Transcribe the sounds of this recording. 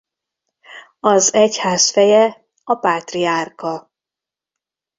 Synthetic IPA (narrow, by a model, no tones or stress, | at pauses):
ɒzɛchaːsfɛjɛ | ɒpaːt̪riaːrkɒ